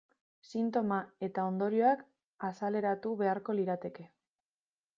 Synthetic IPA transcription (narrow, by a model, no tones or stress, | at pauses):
sint̪o̞mae̞t̪ao̞nd̪o̞ɾio̞ak | asale̞ɾat̪uβe̞aɾko̞liɾat̪e̞ke̞